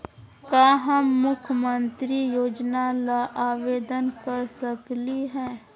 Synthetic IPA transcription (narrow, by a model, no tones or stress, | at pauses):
kaːɦəmːʊkʰjəmə̃nt̪ɾijoːd͡ʒnalaʔaːʋeːd̪ənkɐɾsəkliɦɛ̃ː